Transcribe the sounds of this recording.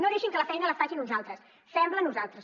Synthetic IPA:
noðeʃiŋkələfɛjnələfaʒinunzalˠt̪ɾəs | sɛmblənːuzalˠt̪ɾəs

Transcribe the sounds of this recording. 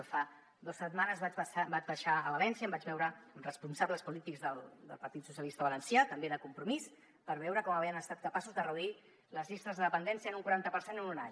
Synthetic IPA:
fa | d̪osːət̪manəzβaβabad͡ʒβəʃaələlɛnsiəmbad͡ʒβɛwɾəəmrəspunsabləspulit̪iɡzðəlˠd̪ə̰lˠpəɾt̪it̪susjəlist̪əβələnsjat̪əmbeðəkumpɾumis | pəɾβɛwɾəkɔməβeənəst̪at̪̚kəpasuzðərəðui | ləzʎist̪əzðəðəpənd̪ɛnsiənuŋkuɾant̪əpəɾsenənunaɲ

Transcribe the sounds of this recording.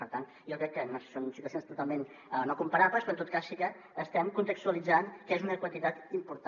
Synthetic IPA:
pəɾt̪an | jokɾɛkːənossonunsit̪uəθjonst̪ut̪alˠmen | nokumpəɾapləspɾɔnt̪ot̪kasːikəː | st̪ɛmkunt̪əkst̪uəlid͡zankezunəkwənt̪it̪at̪impuɾt̪a

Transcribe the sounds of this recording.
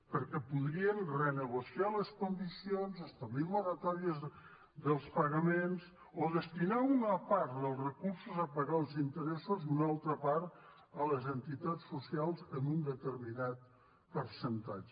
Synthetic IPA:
pəɾkɛpuðɾiənrənəɣusialəskund̪isionzəst̪əβliβuɾət̪ɔɾiəz | d̪əlˠspəɣəmenz | oðəst̪inaunəpaɾt̪ðəlˠzrəkuɾsuzəpəɣalˠzint̪əɾɛsuzunalˠt̪ɾəpaɾt̪ | ələzənt̪it̪at͡sːusialˠzənund̪ət̪əɾminat̪̚ | pəɾsənt̪ad͡ʒə

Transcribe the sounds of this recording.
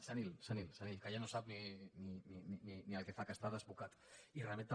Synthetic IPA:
sanilsanilsanilkajanosap̚ninininininialkefakəst̪aðəzβukat̪ | ireament̪a

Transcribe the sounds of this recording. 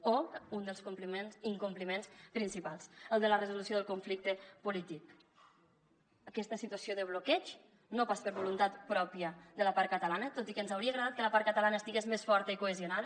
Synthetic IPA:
ound̪əlˠskumplimenziŋkumplimenspɾinsipalˠsəlˠd̪ələrəzulusioðəlˠkuɱflik̚t̪əpulit̪ik | əkɛst̪əsit̪uəsioðəβ̞lokɛt͡ʃ | nopaspəɾβulunt̪at̪pɾɔpiəd̪ələpaɾkət̪əlanət̪ot̪ikənzawɾiəɣɾəðat̪̚kələpaɾkət̪əlanəst̪iɣezmesfɔɾt̪əikuəziunað

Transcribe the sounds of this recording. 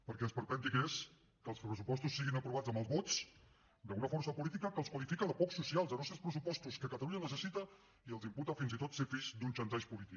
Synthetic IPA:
pəɾkɛspəɾpɛnt̪ikes | kəlˠspɾəsupɔst̪usːiɣinəpɾuβ̞ad͡zəmbəlˠzβɔt͡s | d̪əunəfɔrsəpulit̪ikəkəlˠskwəlifikəðəpɔksusialˠzðənɔst̪ɾəspɾəsupɔst̪uskəkət̪əluɲənəsəsit̪ə | iəlˠzimput̪əfinzit̪ot̪sefiʃd̪unt͡ʃənt̪ɛʃpulit̪ik

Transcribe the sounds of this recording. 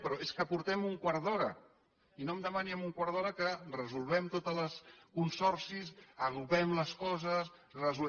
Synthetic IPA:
pɾɔeskəpuɾt̪ɛmuŋkwaɾðɔɾə | inomd̪əmaniəmuŋkwaɾð̞ɔɾəkərəzulˠβɛmt̪ot̪ələskunsɔrsisəɣuβɛmləskɔzəs | rəzu

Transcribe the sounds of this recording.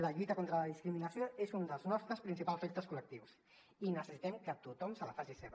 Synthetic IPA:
ləʎujt̪əkont̪ɾələðiskɾiminəsjoezund̪əlˠznɔst̪ɾəspɾinsipalzet̪əskulək̚t̪iws | inəsəsit̪ɛmkət̪ut̪ɔmsəlafazeseβ

